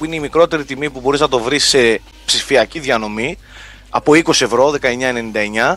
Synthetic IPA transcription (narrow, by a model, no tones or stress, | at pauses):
ineimikɾo̞t̪e̞ɾit̪imipubo̞ɾiznɐt̪o̞vɾise̞ | psifiɐciðɐno̞mi | ɐpo̞iko̞sie̞vɾo̞ðe̞kɐe̞ɲɐe̞ne̞nind̪ɐe̞ɲɐ